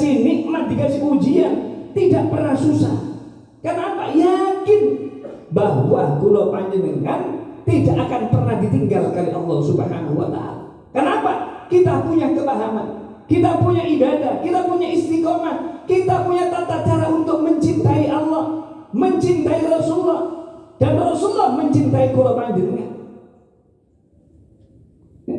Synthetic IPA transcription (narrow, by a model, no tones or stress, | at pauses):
siniladikasikud͡ʒiant̪idaʔpərnahsusa̰h | kənapa̰jakɪn | baɦwahkulawpaɲd͡ʒəŋəŋkant̪idaʔakanpərnahdit̪iŋɡalkaliʔɑlːɔhsubəɦa̰nahuwa̰t̪a̰a̰la | kənapakit̪apuɲakəmaɦama̰n | kit̪apuɲaʔibadahkit̪apuɲaist̪ikɔŋankit̪apuɲat̪at̪ad̥aɾaunt̪ʊk̚məɲt͡ʃint̪aiʔalːɔhməɲt͡ʃint̪aiɾɔsulːɔhd̥anrɔsulːɔhməɲt͡ʃint̪aikulapaɲd͡ʒɪnŋa̰